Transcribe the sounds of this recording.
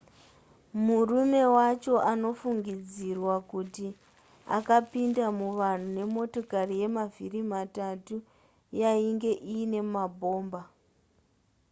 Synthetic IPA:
murume̞wat͡ʃo̞ʔano̞fuŋɡid͡zirwakuti | a̰kapindamuʋan̤une̞mo̞to̞karije̞mavirimatatu | jaiŋɡe̞ʔiːne̞mabʱo̞ːmba

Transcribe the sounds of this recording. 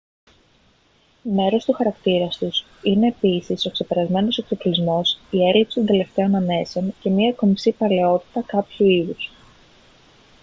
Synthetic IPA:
me̞ɾo̞st̪uxɐɾɐkt̪iɾɐst̪us | ine̞ːpisiso̞kse̞pe̞ɾɐzme̞no̞seksoklizmo̞sie̞ɾipsi̥st̪ond̪e̞le̞ft̪e̞o̞nɐne̞seonce̞miɐko̞misipɐle̞o̞t̪i̥t̪ɐkɐpçuiðus

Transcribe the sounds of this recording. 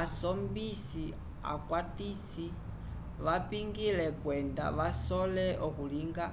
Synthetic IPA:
asɔmbisi | a̰kwatisi | ʋapiŋɡilɛkwɛnda̰ʋasɔlɛʔɔkuliŋɡa

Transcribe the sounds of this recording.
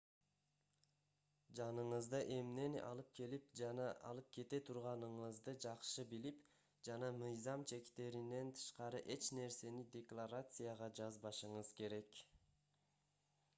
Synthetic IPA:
d͡ʒɑnɯɴɯzd̪ɯʔe̞mne̞nɑ̰lˠɯp̚kʰe̞lip̚d͡ʒɑnɑʔɑ̰lˠɯp̚kʰe̞t̪e̞t̪ʰuɾʁɑnɯɴɯzd̪ɯd͡ʒɑqʃɯbilip | d͡ʒɑnɑmɯjzɑmt͡ʃʰe̞kt̪e̞ɾinːe̞nt̪ʰɯ̥ʃqɑɾɯʔe̞t͡ʃne̞ɾse̞nid̪ʲe̞klˠaɾat̪sɨjaʁɑd͡ʒɑzbɑʃɯɴɯzke̞ɾe̞k

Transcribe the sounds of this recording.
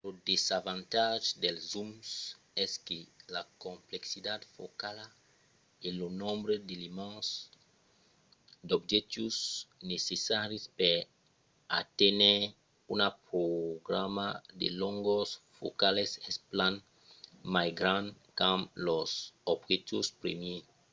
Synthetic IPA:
lod̪ezavãnt̪aʒd̪elzums | ɛskelakõmpleksid̪ad̪fokala | elonõmbɾed̪elimãs | d̪obʒɛt̪usnesesaɾispeɾ | a̰t̪enɛ | unapɾoɡɾamad̪ḛlõŋɡosfo̰kalesɛsplãn | majɡɾãn | kãmlɔsobɣet̪uspɾḛmje

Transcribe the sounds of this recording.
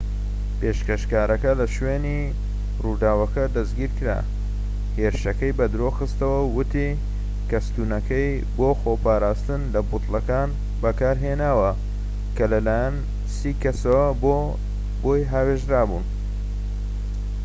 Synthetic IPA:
peʃkɐʃkaːɾɐkɐlɐʃweni | ruːd̪aːwɐkɐd̪ɐzɡiːɾkɨɾa̰ | heɾɨʃɐkɐjbɐd̪ɾoxɨst̪ɐwɐwʊt̪i | kɐst̪unɐkɐj | boːxopaːɾaːst̪ɨnlɐbʊt̪lɐkaːn | bɐkaːɾɦenaːwɐ | kɐlɐlaːjɐn | siːkɐsɐwɐbo | bojɦaːweʒɾaːbun

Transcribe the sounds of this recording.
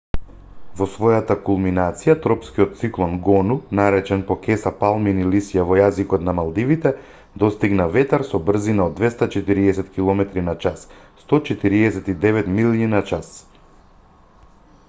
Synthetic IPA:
vɔsvɔjat̪akulˠminat̪sijat̪ɾɔpskiɔt̪t̪siklˠɔnɡɔnunaɾɛt͡ʃɛnpɔkɛsapalˠminilisjavɔjazikɔt̪namalˠd̪ivit̪ɛ | d̪ɔst̪iɡnavɛt̪aɾsɔbr̩zinaod̪vɛst̪at͡ʃɛt̪iɾiɛsɛt̪kilˠɔmɛt̪ɾinat͡ʃasː | t̪ɔt͡ʃɛt̪iɾiɛsɛt̪id̪ɛvɛt̪milininat͡ʃas

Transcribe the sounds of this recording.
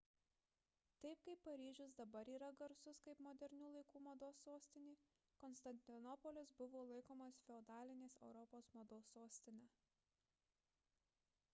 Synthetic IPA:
t̪ɐɪpkɐɪpːɐɾʲiːʒʲʊsd̪ɐbɐɾiːɾɐɡɐɾsʊskɐɪpmoːd̪ʲɛɾʲnʲuːlˠɐɪkuːmod̪oːsːoːsʲt̪ʲɪnʲiː | kɔnst̪ɐnʲt̪ʲɪnɔpɔlʲɪsbʊʋoːlˠɐɪkoːmɐsfʲɛɔd̪ɑːlʲɪnʲeːsɛʊɾɔpoːsmod̪oːsoːsʲt̪ʲɪnʲɛː

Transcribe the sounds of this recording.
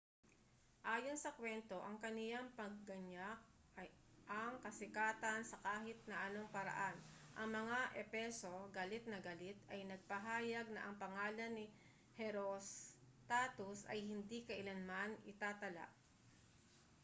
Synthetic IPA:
ʔaːjo̞nsɐkwɛnt̪o̞ʔɐŋkɐnɪjaŋpɐɡ̚ːɐɲak̚ | ɐj | ʔɐŋkɐsɪkaːt̪ɐnsɐkaːhɪt̪̚nɐʔɐno̞ŋpɐɾɐ̰ʔanʔɐ̰ŋmɐŋaʔɛpɛso̞ɡalɪt̪̚nɐɡalɪt̪ɐjnɐɡ̚pɐɦaːjɐɡ̚nɐʔɐŋpɐŋaːlɐnːɪ | hɛɾos | t̪aːt̪ʊsɐ̰jhɪnd̪ikɐʔɪlanmanɪt̪aːt̪ɐla̰ʔ

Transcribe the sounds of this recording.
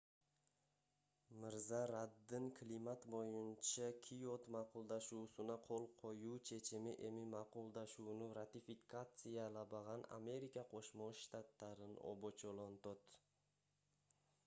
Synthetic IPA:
mɪɾzaɾad̪ːɪnkʲʰlimat̪bojɪnt͡ʃʰakʲʰijot̪mɑqʰʊlˠd̪aʃuːsɪnaqʰolˠqʰojut͡ʃʰe̞t͡ʃʰɪmɪʔe̞mɪmɑqʊlˠd̪aʃuwnʊɾat̪ifikʰat̪sijalabaʁɑna̰me̞ɾikʲʰaqʰoʃmoʃt̪at̪laɾɪno̰bot͡ʃʰolˠont̪ot̪

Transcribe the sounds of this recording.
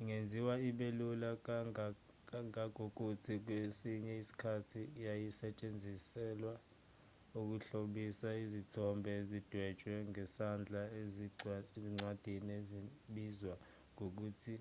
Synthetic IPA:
iŋend͡zʱiwaiɓelulak̬ | aŋak̬ʼok̬ʼutʰik̬wesiɲɛisi̥kʰatʰiːjajisɛt͡ʃʼend͡zʱisɛːlwa | uk̬uɬoɓisaizitʰɔmbʱɛezid̥ʱwɛdt͡ʃʼwɛŋɛsand͡ɮʱaezieziŋ͡ǀwad̥ʱineziɓizwa | ŋok̬uːtʰi

